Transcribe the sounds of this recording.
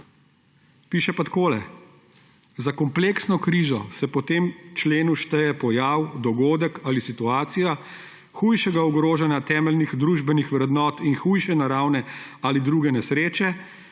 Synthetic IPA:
piːʃɛpat̪koːlɛ̰ | zakɔmpleːksnɔkɾiːzɔ̰sɛpɔt̪eːmt͡ʃleːnuʃt̪ɛjɛpɔjaːwd̪ɔɡoːd̪əkalisit̪uaːt̪sija | xuːjʃɛɡauɡɾoːʒanjat̪ɛːmɛlnixd̪ɾuʒbɛnixʋɾɛd̪nɔːt̪inxuːjʃɛnaɾaːwnɛalid̪ɾuːɡɛnɛsɾeːt͡ʃɛ

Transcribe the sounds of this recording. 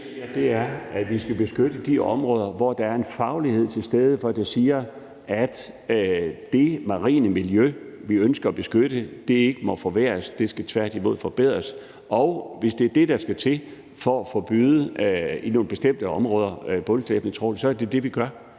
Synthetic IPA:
d̥e̝æɐæ̥ʋisɡ̥æb̥e̝sɡ̥øɾ̥əd̥iɒ̽mʁɔ̽ːð̞ˠɐʋɒd̥ɑ̈æɐe̝nfɑ̈ʊlihe̝ð̰ˠt͡sʰe̝lsd̥eːð̞ˠəfɒ̽d̥esiːɐ | ʔæd̥ | d̥e̝mɑ̈ʁḭːnəmiljøʋiønsɡ̥ɐːb̥e̝sɡ̥øɾ̥əd̥e̝e̝ɡ̥əmɒ̽fɒ̽ʋḛːɐsd̥e̝sɡ̥æt͡sʰʋæɐ̰d̥imo̝ð̞̰ˠfɒ̽b̥e̝ð̞̰ˠʁɐs | ɒ̽ʊʋe̝sd̥eæɐd̥e̝d̥ɑ̈sɡ̥æt͡sʰe̝ | fɒ̽ːfɒ̽b̥yːðˠəino̝ːn̩b̥e̝sd̥em̰d̥əɒ̽mʁɔ̽ːð̞ˠɐb̥ɔlɡʰlɛb̥nət͡sʰʁɔ̰ːlsɒ̽æɐd̥e̝d̥e̝ʋiɡ̥ɶɐ

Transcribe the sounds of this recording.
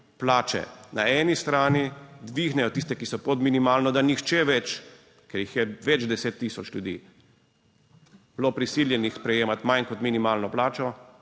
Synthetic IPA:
plaːt͡ʃɛ̰naɛːnist̪ɾaːnid̪ʋiɣnɛjɔt̪iːs̬t̪ɛkisɔpɔd̪minimaːlnɔd̪anixt͡ʃɛʋɛt͡ʃ | kɛɾjixjɛʋɛd͡ʒd̪ɛseːt̪ːiːsɔt͡ʃlʲjud̪ḭː | b̥lopɾisiːljɛnixspɾɛjeːmat̪majnkɔt̪minimaːlnɔplaːt͡ʃɔ

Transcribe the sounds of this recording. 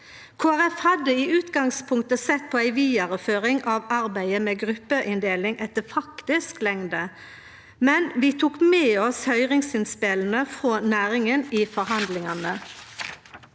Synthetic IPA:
kʰoːæʁɛfhɑd̪əiːʉːt̪ɡɑŋspʰʊŋkt̪əsɛt̪̚pʰoːæɪʋiːd̪ɑʁəføːʁɪŋʔɑʋɑʁbæɪəmɛːɡʁʉpːəʔɪnd̪eːlɪŋɛt̪ːəfɑkt̪ɪsklɛŋd̪ə | mɛnʋiːt̪ʰuːkmeːɔshœʏʁɪŋsɪnspɪln̩əfʁoːnæːʁɪŋəniːfɔʁɦɑnd̪lɪŋɑnə

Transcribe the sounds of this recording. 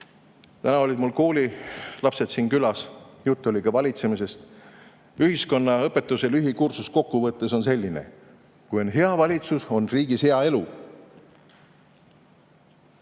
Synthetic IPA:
t̪ænɑo̞lʲid̪̥mulkuːlilɑpse̞t̪siːnkylɑsjut̪ˑːo̞lʲikɑvɑlʲit̪se̞mise̞st̪ | yhisko̞nːɑɤpːe̞t̪ːˑuselyɦikursusko̞kːuvɤt̪ːeso̞nse̞lʲːine̞̰ | kujo̞nɦe̞ɑvɑlʲit̪suso̞nriːɡ̥ishe̞ɑe̞lu

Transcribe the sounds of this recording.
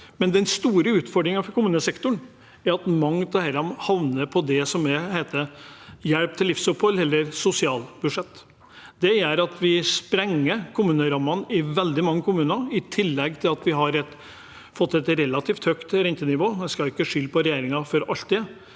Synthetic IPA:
mɛnd̪ɛnst̪uːɾəʉːt̪fɔɖɾɪŋɑfɔɾkʊmʉːnəsɛkt̪ʊɳ | æɾɑt̪mɑŋt̪əhæɾɑmhɑʋnəɾpʰɔd̪ɛsɔmɛhæɪt̪əjɛɽp̚t̪ʰɪlːɪfsʊphɔlɛlːəɾsʊsɪɑːlbʉʂɛt̪ː | d̪̥ɛjæɾɑt̪ʰʋɪspɾɛŋːəkʰʊmʉːnəɾɑmːɑnɪʋɛld̪ɪmɑŋːəkʰʊmʉːnɑɪt̪ʰɪlːɛɡt̪ʰɪlɑt̪ʋɪɦɑɾɛt̪ | fɔt̪ːɛt̪ɾɛlːɑt̪ʰiːft̪hœkt̪ɾɛnt̪ənɪʋoːɛskɑɪkːəʂʏlːpʰɔɾɛjeːɾɪŋɑfɔɾɑlt̪ɪ

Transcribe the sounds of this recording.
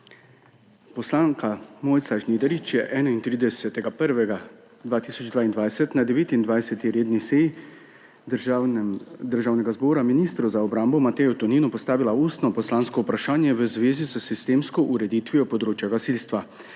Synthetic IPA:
pɔslaːŋkamojt̪saʒnid̪ɛɾit͡ʃjɛʔɛːnaint̪ɾiːd̪ɛsɛt̪ɛɡapəɾʋɛɡa | d̪ʋaːt̪iːsɔd͡ʒd̪ʋaːind̪ʋajsɛt̪nad̪ɛʋeːt̪ind̪ʋajsɛt̪iɾeːd̪niseji | d̪əɾʒaːwnɛɡazbɔːɾaminiːst̪ɾuzaɔbɾambɔmat̪ɛjɔt̪ɔninɔpɔst̪aːʋilaust̪nɔpɔslaːnskɔupɾaʃaːnjɛʋəzʋeːzizəsist̪eːmskɔʔuɾɛd̪iːt̪ʋijɔpɔd̪ɾoːt͡ʃjaɡasilst̪ʋa

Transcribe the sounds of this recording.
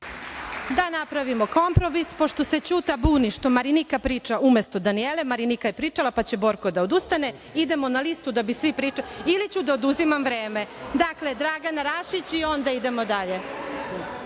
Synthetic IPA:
d̪anapɾaʋimo̞ko̞mpɾo̞mispo̞ʃt̪o̞se̞t͡ɕut̪abuːniʃt̪o̞maɾinikapɾiːt͡ʃaʔumjest̪o̞d̪anielemaɾinikajepɾiːt͡ʃalapat͡ɕe̞bo̞ɾkod̪aod̪ust̪ane | id̪e̞mo̞nalist̪ud̪abisʋipɾiːt͡ʃailit͡ɕud̪aod̪uzimamʋɾeːme̞d̪akled̪ɾaɡanaɾaʃit͡ɕio̞nd̪aid̪e̞mo̞d̪aʎe̞

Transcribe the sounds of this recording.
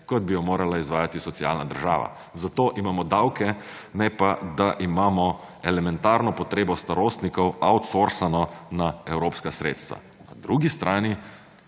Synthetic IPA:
kɔd̪̚bijɔmoːɾalaizʋaːjat̪isɔt̪sia̰lnad̪ə̰ɾʒa̰ːʋa̰ | zat̪oːʔimaːmɔd̪awkɛ | nɛpad̪aʔimaːmɔɛlɛmɛnt̪aːɾnɔpɔt̪ɾeːbɔst̪aɾoːst̪nikɔwawt̪soɾsanɔnaɛwɾoːpskasɾḛːt̪st̪ʋa̰ | na̰d̪ɾuːɡist̪ɾʔaːni

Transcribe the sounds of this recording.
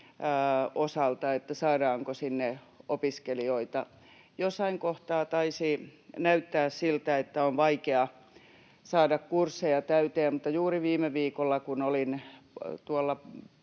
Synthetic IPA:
osɑlt̪ɑet̪ːæsɑːdɑːŋkosinːeopiskelioit̪ɑ | josːɑiŋkoht̪ɑːt̪ɑisinæyt̪ːæːssilt̪æet̪ːæonʋɑikeɑ | sɑːdɑkkursːejɑt̪æyt̪eæmmut̪ːɑjuːriʋiːmeʋiːkolːɑkunolint̪uolːɑ

